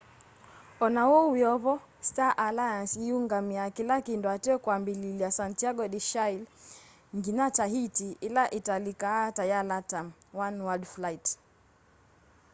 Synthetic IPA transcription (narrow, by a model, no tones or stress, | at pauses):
ɔnawɔujɔβɔ | staʔalajansiuŋɡamiakilakindɔatɛɔkwambililiasantiaɡɔɗiʃail | ŋɡinat͡ʃaɦitiilaʔitalikatajalatamwanwaldflait